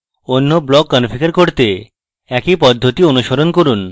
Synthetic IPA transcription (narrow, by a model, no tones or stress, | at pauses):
onːoblɔkːɔnfikaɾkoɾt̪e | ɛkipɔd̪ʱːot̪ionuʃoɾonkoɾun